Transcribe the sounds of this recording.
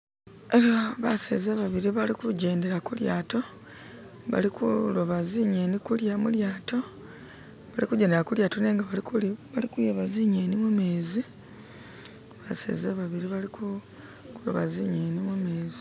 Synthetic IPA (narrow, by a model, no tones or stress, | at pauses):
eaβasḛzaβaβiɾiβalikuɟe̞ːnde̞ɾakulja̰ːto̞ | βa̰likuloβaziɲeːnikuljamuljaːto̞ | βalikuɟeːndeɾakuljaːto̞ne̞ːŋɡaβakβalikujeβaziɲeːnimumeːzi | βase̞̰ːzaβaβiɾiβaliku | kulo̰βa̰ziɲeːnimumeːzi